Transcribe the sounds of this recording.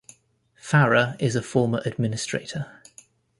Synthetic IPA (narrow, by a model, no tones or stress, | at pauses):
faɹəɪzəfɔːməɹʔəd̚mɪnɪstɹ̥ḛɪtʰə